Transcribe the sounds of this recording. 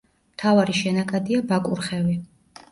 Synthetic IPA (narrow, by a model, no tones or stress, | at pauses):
mt̪ʰavaɾiʃɛnakʼad̪iabakʼuɾχɛvi